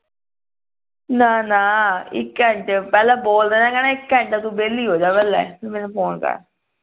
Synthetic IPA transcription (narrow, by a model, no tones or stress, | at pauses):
naːnaːɪ̰kːɛ̃ɳʈpɛːlaːboːld̪eːnãːkɛːnãːɪkːɛ̃ɳʈaːt̪ũːbeːlːiːɦoːd͡ʒaːbɛːlɛ̰ːpemɛːnupʰoːnkə̰ɾ